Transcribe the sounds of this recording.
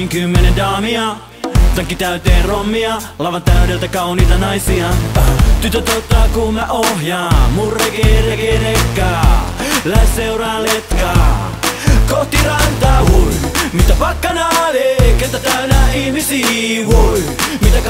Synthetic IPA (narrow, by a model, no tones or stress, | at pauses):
ŋkymːenendɑːmiɑ | sɑŋkːit̪æyt̪eːnromːiɑ | lɑʋɑnt̪æyɾelt̪ækɑuniːt̪ɑnɑjsiɑt̪yt̪ːøt̪ot̪ːɑːkummæʔohjɑːmurːekerekeɾekːɑːlæesseuɾɑːnlet̪kɑː | koht̪irɑnt̪ɑːkuimit̪æpɑkːɑnɑʋeːkːet̪æt̪æynæːihmisiːkuimit̪æ